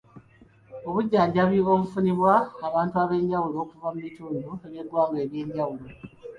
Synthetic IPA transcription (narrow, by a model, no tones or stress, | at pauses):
oβuɟːaːɲɟaβioβufuniβwaːβaːntuaβe̞ːɲɟawulo̞ːkuvamumituːndueβjedwaːŋɡeːβje̞ːɲɟawulo̞